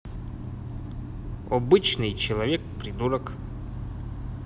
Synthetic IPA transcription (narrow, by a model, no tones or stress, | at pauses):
abɨt͡ʃnɨjt͡ʃɪlˠavʲɛk̚pɾid̪uɾək